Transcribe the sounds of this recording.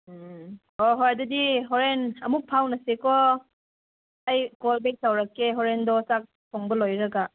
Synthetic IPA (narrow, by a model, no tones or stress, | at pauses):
ɔɦɔjdɐdiɦɔɾenɐmuk̚pʰawnɐsekɔ | ajkolbek̚tawɾɐkːeɦɔɾendɔsak̚tʰoŋbɐlojɾɐɡa